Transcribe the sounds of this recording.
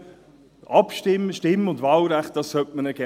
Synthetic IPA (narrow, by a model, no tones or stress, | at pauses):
ɑpʃtɪmːəʃtɪmːəʊndvɑːlɾæχt̚d̥ɑssœtmənəɡ̥ɛ